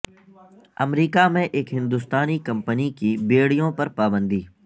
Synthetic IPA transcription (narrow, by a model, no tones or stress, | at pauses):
ɐ̰mɾiːkamẽʔeːkɦɪ̃nd̪uːst̪aːnikɐ̃mpənikibeːɽijõpɐɾpaːbə̃nd̪iː